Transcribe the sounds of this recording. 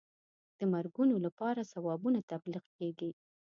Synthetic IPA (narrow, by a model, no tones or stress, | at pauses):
d̪̥əmaɾɡunolapɑɾasawɑbunat̪abliqkeɡi